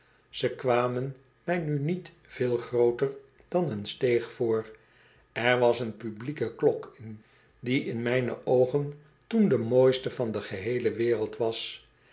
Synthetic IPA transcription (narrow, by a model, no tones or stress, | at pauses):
z̥əkʋaːmən | mɛjnynit | v̥ɪːlˠχrowtər | d̥ɑnənstejχfoːr | ɛɹʋɑsənpyblikəklɔkɪn | diɪnmɛjnə̰ʔowχən | tundəmoːjstəvɑndəχəɦejləʋɪːrəlˠtʋɑs